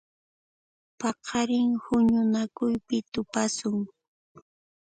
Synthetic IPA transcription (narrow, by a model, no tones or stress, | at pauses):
pɑqʰɑɾɪŋhʊɲʊnakʊjpɪt̪ʊpasʊŋ